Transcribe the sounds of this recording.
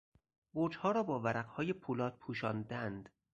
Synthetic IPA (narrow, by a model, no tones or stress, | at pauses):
boɾd͡ʒhɒːɾɒːbɒːvæɾæqhɒːjepʰuːlɒːt̪̚pʰuːʃɒːnd̪ænd̪̥